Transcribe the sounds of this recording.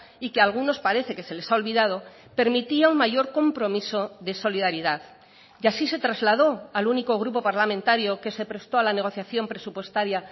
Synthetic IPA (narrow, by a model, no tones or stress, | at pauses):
ike̞alɣ̞uno̞spaɾe̞θe̞ke̞se̞le̞saolβiðað̞o̞ | pe̞ɾmit̪iauŋmaʝo̞ɾko̞mpɾo̞miso̞ðe̞so̞liðaɾiðað | jasise̞t̪ɾazlað̞o̞aluniko̞ɣ̞ɾupo̞paɾlamẽnt̪aɾjo̞ke̞se̞pɾe̞st̪o̞alane̞ɣ̞o̞θjaθjo̞mpɾe̞supwe̞st̪aɾja